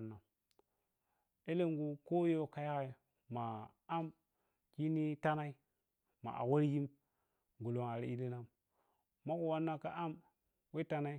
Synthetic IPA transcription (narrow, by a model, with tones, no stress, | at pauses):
nːa˨ | e˦le˦ŋɡu˨ko˦jo˦˨ka˨ja˦ɣa˨ | ma˨ | a˦m | ki˦ni˦ta˦na˦i˦ | ma̰˨ʔa̰˨wa˦ɾji˦m | ɡu˨lo˨ŋa˨ɾi˦i˦di˦na˦m | ma˦ku˨wa˦nːa˦ka˦ʔa˦m | we˦ta˦na˦i˦